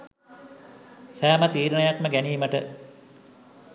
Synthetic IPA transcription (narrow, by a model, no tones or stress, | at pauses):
sæːmət̪iːɾənəjakməɡæniːməʈə